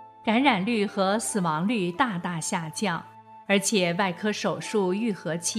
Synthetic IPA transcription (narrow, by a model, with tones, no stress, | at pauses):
ka˧˥nɻa˨˩nly˥˩xɤ˧˥sɹ̩˨˩wɑ˧˥ŋly˥˧t̪a˥˧t̪a˥˧ɕja˥˧t͡ɕjɑ˥˩ŋ | ə˞˧˥t͡ɕʰjɛ˨˩wa˥˩ɪkʰɤ˥ʂo˨˩ʊʂu˥˧y˥˩xɤ˧˥t͡ɕʰi˥˩